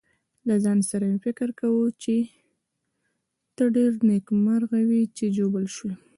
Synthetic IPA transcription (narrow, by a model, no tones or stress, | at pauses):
lazɑnsaɾamefɪkɪɾkawut͡ʃe | t̪əɖeɾnekmaɾɣawit͡ʃed͡ʒobəlʃwi